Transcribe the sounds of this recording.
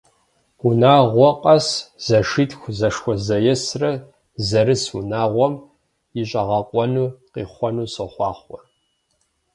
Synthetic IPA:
unaːʁʷɔqʼɐsz̥ɐʂitxʷzɐʂxʷɔzɐjɛsrɐ | zɐɾɨsunaːʁʷɔm | jɪɕʼɐʁɐqʷʼɔnuːqḭːχʷɔnuːsɐχʷɑːχɔ

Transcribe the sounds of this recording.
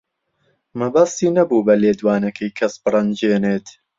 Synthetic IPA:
mɐbɐst̪iːnɐbuːbɐleːd̪waːnɐkʰɐjkʰɐsbɨrˤɐnd͡ʒeːneːt̪

